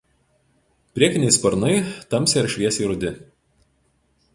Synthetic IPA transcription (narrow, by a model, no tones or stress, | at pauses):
pʲɾʲiɛkʲɪnʲɛɪspɐɾnɐɪt̪ɐmʲsʲeɾʃʲʋʲiɛsʲiːɾʊd̪ʲɪ